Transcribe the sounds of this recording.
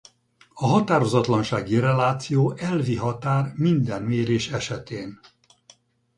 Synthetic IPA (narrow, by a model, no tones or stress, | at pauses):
ɒɦɒt̪aːɾo̞zɒt̪lɒnʃaːɡirɛlaːt̪sijoːʔɛlviɦɒt̪aːrmind̪ɛnmeːɾeːʃɛʃɛt̪eːn